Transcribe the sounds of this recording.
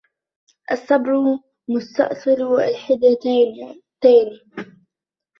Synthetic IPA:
ʔasːɑbɾʊ | mʊst̪ɑ̰ʔsˤɨlwalħɪd̪a | t̪aːni

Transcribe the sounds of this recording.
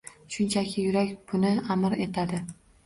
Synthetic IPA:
ʃʊnt͡ʃʰakʲʰɪjʊɾakʲb̥ʊnɪamɾe̞t̪ʰad̪ɪ

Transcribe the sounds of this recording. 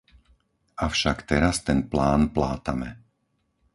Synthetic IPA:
afʃakt̪ɛɾast̪ɛnplaːnplaːt̪amɛ

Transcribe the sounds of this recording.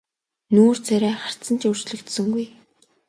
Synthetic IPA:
nuːr̥t͡sʰæɾæːχar̥t̪t͡sə̆nt͡ɕɵr̥t͡ɕɮɵ̆kt̪sɵ̆ŋɡuj

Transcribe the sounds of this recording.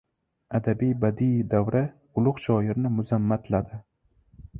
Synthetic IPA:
ad̪abijbad̪ijd̪awɾa | ʊlˠʊqʃɒjɪɾnɪmʊzamːat̪ʰlad̪ɪ

